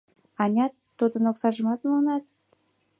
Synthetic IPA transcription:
ɑnʲɑt̪ːud̪ənoksɑʒəmɑt̪muənɑt̪

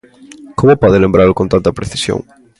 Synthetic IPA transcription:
komopɔðɪlẽmbɾaɾʊkont̪ant̪ɐpɾeθi̥sjo̰ŋ

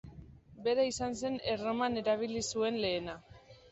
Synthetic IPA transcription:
be̞ɾaisanse̞nero̞mane̞ɾaβ̞ilisue̞nle̞ːna

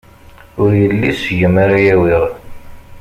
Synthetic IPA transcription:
ʊɾjəlːisəʝəmaɾajæwiʁ

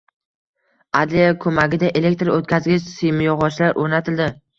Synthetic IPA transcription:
ad̪lejakʰɵmaɡʲɪd̪aʔele̞k̚ʲt̪ɾot̪kʲazɡʲɪt͡ʃsɪjmɪjɒʁɒt͡ʃlaɾʔoɾnat̪ʰɪld̪ɪ

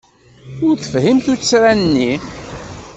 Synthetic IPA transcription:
ʊɾθə̥fhimθut͡sːt͡sːsɾænnːi

